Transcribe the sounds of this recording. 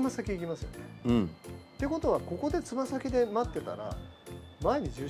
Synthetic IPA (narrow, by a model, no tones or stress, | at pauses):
masakʲiikʲimasɨjo̰ne̞ɯ̃t̪ːe̞ko̞t̪o̞βako̞ko̞d̪e̞t͡sɨmasakʲid̪e̞mat̪ːe̞t̪a̰ɾa̰mae̞ɲ̟id͡ʑɨː